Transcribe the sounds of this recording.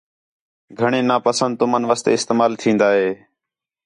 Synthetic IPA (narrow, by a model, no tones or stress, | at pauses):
ɡʱəɳeːnaːpəsənd̪̚t̪ʊmənʋaːst̪ḛːɪst̪eːmaːlt̪ʰĩːnd̪aːɦeː